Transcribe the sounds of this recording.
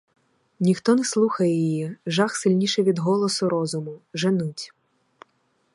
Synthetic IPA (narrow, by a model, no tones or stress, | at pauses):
nʲixt̪ɔnɛslˠuxɐjɛjijiʒɑxsɪlʲnʲiʃɛʋʲid̪ɦɔlˠɔsʊɾɔzʊmʊʒenutʲ